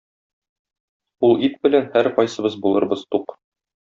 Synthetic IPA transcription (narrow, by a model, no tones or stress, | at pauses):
ulˠit̪̚bɘ̆lænhæɾqɒjsɤ̆bɤzbulˠɤ̆ɾbɤz̥t̪uq